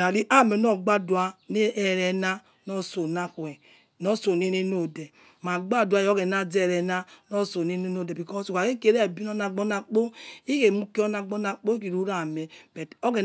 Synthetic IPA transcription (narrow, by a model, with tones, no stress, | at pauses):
a˨li˦ʔa˦˨me˨no˦˨ɡ͡ba˦du˨a˦ne˦ɛ˨ɾɛ˨na˦ | nɔ˦so˨na˦kɛ˨ | nɔ˦so˨ne˦ne˦no˦de˨ | ma˨ɡ͡ba˦˨da˦jo˦ɡe˨na˦d͡zɛ˦˨ɾɛ˨na˦nɔ˦so˨ne˦ne˦no˦˨de˨bi˨kɔ˦su˨ka˨ke˦ke˨˦ɾɛ˦˨bi˦n˦o˦na˨ɡ͡bo˦na˨k͡po˦i˦ke˨mu˦ki˦o˦na˨ɡ͡bo˦na˨k͡po˦ki˨ɾu˦ɾa˨me˨b̥ɛ˨to˦ɡe˨